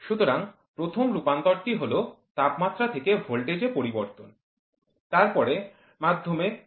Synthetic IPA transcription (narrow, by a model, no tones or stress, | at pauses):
ʃut̪oɾaŋ | pɾot̪ʰomɾupant̪ɔɾt̪iɦolo | t̪apmat̪ːɾat̪ʰekeɦolʈed͡ʑepoɾiboɾt̪on | t̪aɾpɔɾe | mad̪ʱːome